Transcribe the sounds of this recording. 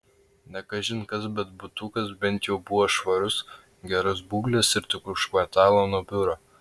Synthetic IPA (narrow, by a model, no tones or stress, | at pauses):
nʲɛkɐʒʲɪnkɐsbʲɛt̪̚bʊt̪ʊkɐsbʲɛnʲt̪ʲjɛʊbʊʋoːʃʋɐɾʊs | ɡʲɛɾɔsbuːɡlʲɛsɪɾt̪ʲʊkʊʃkʋɐɾt̪ɑːlˠoːnuːbʲʊɾoː